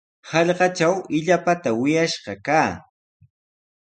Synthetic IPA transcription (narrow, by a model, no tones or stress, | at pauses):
hɑʎɢɑt͡ʃawɪʎapat̪awɪjaʃɢɑkaː